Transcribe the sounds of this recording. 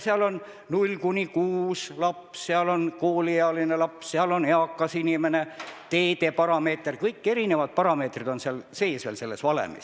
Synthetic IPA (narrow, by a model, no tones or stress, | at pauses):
seɑlo̞n | nulʲːkunʲikuːslɑpsseɑlo̞nkoːlʲieɑlinelɑpsseɑlo̞neɑkːˑɑsinʲime̞ne̞t̪e̞ːt̪e̞pɑɾɑme̞ːt̪ːˑrkɤjkːe̞ɾine̞vɑd̪̥̚pɑɾɑme̞ːt̪rid̪̥o̞nseɑlse̞ːsvelse̞lːe̞svɑlḛmḭs